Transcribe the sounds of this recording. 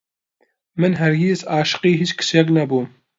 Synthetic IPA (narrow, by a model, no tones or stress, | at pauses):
mɨnɦɐɾɡeːzaːʃɨ̥qiːɦiːt͡ʃkʰɨ̥sjɛk̬nɐbuːm